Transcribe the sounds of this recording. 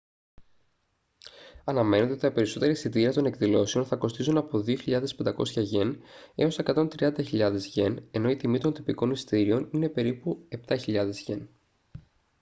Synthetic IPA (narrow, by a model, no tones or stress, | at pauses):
ɐnɐme̞neet̪t̪ɐpe̞ɾiso̞t̪e̞ɾisit̪iɾɐt̪o̞ne̞kðilo̞seo̞nθɐko̞st̪izunɐpo̞ðio̞çiʎɐðe̞spe̞nd̪ɐko̞̰sçɐʝe̞ne̞o̞se̞kɐt̪o̞nt̪ɾiɐnd̪ɐçiʎɐðe̞zʝe̞ne̞no̞it̪imit̪o̞nt̪ipiko̞nist̪iɾio̞nine̞pe̞ɾipue̞p̚t̪ɐçiʎɐðe̞zʝe̞n